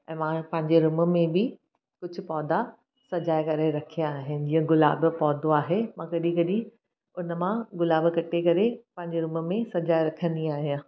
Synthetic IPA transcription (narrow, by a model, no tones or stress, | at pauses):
ɛ̃ːmãpɐ̃ɦɪ̃ɲd͡ʑeɾʊmə̆mẽbɪ | kʊd͡ʑʱʊ̆pɔːd̪a | sɐd͡ʑaːekɐɾeɾɐkʰijãaːɦɪnɪ̆d͡ʑĩːə̃ɡʊla̰ːbpɔːd̪oaːɦemãkɐɗĩkɐɗĩ | ʊnə̆mãɡʊlaːbkɐʈʰekɐɾepɐ̃ɦɪ̃ɲd͡ʑeɾʊmə̆mẽsɐd͡ʑaːɪɾɐkʰə̃nd̪iaːɦijãː